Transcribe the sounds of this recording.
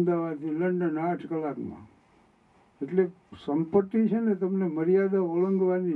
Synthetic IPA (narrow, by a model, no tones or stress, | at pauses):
d̪aʋat̪iləɳɖənaʈʰkəlakmã̰ | eʈle | səmpəʈːit͡ʃʰenet̪əmneməɾijad̪aʋoɭəŋɡʋani